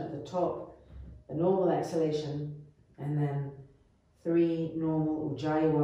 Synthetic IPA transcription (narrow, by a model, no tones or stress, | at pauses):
əʔ̪̚ðətʰɔpðənɔːməlˠɛksəleɪʃə̃n | ɨ̃nðə̃n | θɹinɔːɹməlˠə̰d͡ʒaɪəwə